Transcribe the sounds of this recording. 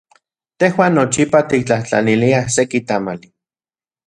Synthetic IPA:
t̪ehwaːnːot͡ʃipat̪ik̚t͡ɬaht͡ɬa̰niliahsekit̪amali

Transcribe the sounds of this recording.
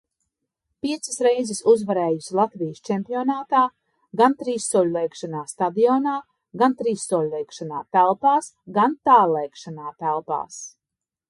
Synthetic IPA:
pʲiɛt̪sasɾɛjzɪsuzvaɾɛːjusilˠat̪vijst͡ʃɛmpʲiɔnaːt̪aː | ɡant̪ɾiːsːuɔlʲulˠejkʃanaːsst̪ad̪ijɔːnaː | ɡant̪ɾiːsːɔlʲulˠɛjkʃanaːt̪ælˠpaːs | ɡant̪aːlɛjkʃanaːt̪ælˠpa̰ːs

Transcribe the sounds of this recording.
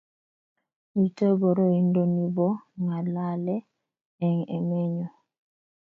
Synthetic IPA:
itəbɔɾɔindonibɔŋɡalalɛ | ɛŋɛ̰mɛɲɔ

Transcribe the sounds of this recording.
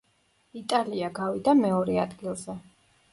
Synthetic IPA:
it̪ʼaliaɡavid̪amɛɔɾɛad̪ɡilˠzɛ

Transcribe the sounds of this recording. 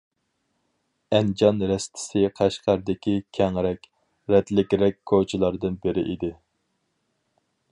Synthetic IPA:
ɛnd͡ʒɑnɾɛst̪ʰɪ̥sɪqʰæʃqʰæɾd̪ɪkʲʰikʲʰɛŋɾɛkʲ | ɾɛt̪lɪkʲɾɛk̚ʲkʰːot͡ʃʰɪlˠɑɾd̪ɨnbɪɾɪ̰ʔid̪ɪ

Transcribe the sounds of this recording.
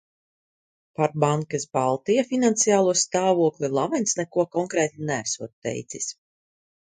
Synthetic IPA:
paɾbaŋkasbalˠt̪ijafinant̪sijaːlˠuɔst̪aːvuɔklˠilˠavɛnt̪snɛkuɔkɔŋkɾɛːt̪inæːsuɔt̪̚t̪ːɛ̰jt̪sis

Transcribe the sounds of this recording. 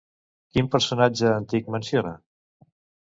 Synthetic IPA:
kimpəɾsunad͡ʒəːnt̪ik̚mənsioɾa

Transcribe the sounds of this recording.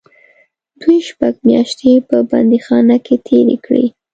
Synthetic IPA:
d̪ujʃpaɡmjɑʃt̪jepəba̰nd̪ixɑnaket̪ʰeɾḛkɽḭ

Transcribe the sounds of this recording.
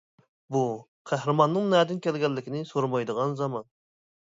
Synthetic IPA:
bu | qʰæhɾɨmɑnːɨŋnɛːd̪ɪnkʲɛlɡʲɛlːɪkʲʰinɪsoɾmɑjd̪əʁɑnzɑmɑn

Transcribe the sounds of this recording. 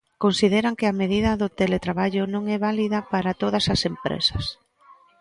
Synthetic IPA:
konsiðeɾaŋkɪɐmeð̞iðɐðʊt̪elet̪ɾaβaʎʊnõŋɛβaliðɐpaɾat̪oð̞ɐsasempɾḛsɐ̥s

